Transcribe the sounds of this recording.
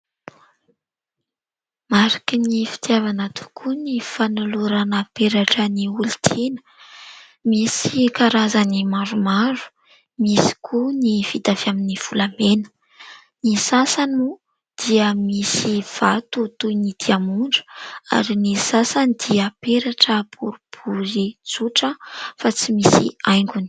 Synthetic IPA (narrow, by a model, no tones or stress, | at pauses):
maɾakinifi̥t̪javanat̪ʰu̥kʰunifanuluɾanapeɾaʈ͡ʂəniuli̥t̪ʰenə̥ | misikaɾazanimaɾumaɾu̥ | misi̥kʰunifit̪afiaminiv̥ulamenə̥ | nisasanu | d̪̥iəmisiv̥at̪ut̪unid̪̥iamuɳɖ͡ʐə̥a̰ɾinisasanid̪̥iəpeɾaʈ͡ʂəb̥uɾub̥ʰuzid͡zuʈ͡ʂəfat͡simisḭajŋɡuni